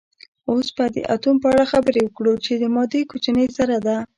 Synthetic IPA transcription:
osbad̪ə̰ʔa̰t̪umpəaɽaxabəɾewəkɽut͡ʃed̪əmɑd̪ekot͡ʃanəjsaɾad̪a

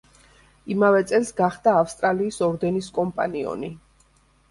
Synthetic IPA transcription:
imavɛt̪sʼɛlsɡaχd̪aːfst̪ʼɾaliːsɔɾd̪ɛniskʼɔmpʼa̰niɔ̰ni

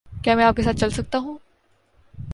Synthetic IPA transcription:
kjaːmɛ̃aːpkesaːt̪̚t͡ʃɐlsɐk̚t̪aɦũː

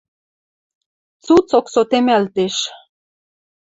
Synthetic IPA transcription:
t͡sut͡soksot̪emælt̪eʃ

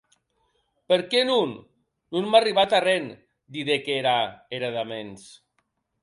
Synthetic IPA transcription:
peɾkenunː | unmariβat̪aren | d̪iðekeɾaeɾaðamens

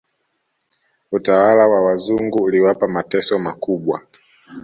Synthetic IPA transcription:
utawalawawazuŋɡuliwapamatɛsɔmakuɓwa̰

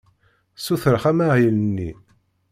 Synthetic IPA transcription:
suθɾəχæmaʁilnːi

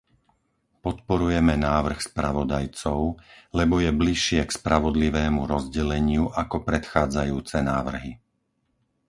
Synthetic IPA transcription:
pɔt̪̚pɔɾujɛmɛnaːʋr̩xspɾaʋɔd̪ajt͡sɔʊlɛbɔjɛbliʃɪɛkspɾaʋɔd̪liʋɛːmuɾɔzɟɛlɛɲɪuʔakɔpɾɛt̪xaːd͡zajuːt͡sɛnaːʋr̩ɦi

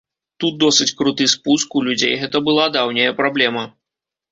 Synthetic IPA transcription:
t̪ut̪̚d̪ɔsɨt͡sʲkɾut̪ɨspuskulʲud͡zʲḛjɣɛt̪ɐbɨlˠad̪awnʲɐjɐpɾablʲɛmɐ

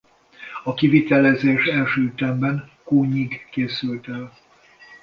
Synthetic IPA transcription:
ɒkivit̪ɛlɛzeːʃɛlʃøːyt̪ɛmbɛnkoːɲiɡːeːsylt̪ɛl

